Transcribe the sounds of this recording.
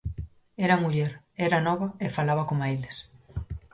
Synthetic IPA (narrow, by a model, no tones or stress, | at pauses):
ɛɾɐmuʎɛɾ | ɛɾɐnɔβɐefalaβɐkomailes